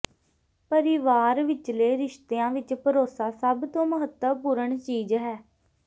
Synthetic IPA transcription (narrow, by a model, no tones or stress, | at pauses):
pəɾɪʋaːɾʋɪt͡ʃleːɾɪʃt̪eːãːʋɪt͡ʃpəɾoːsaːsəbt̪õːməɦət̪əpuːɾəɳt͡ʃiːzɦɛː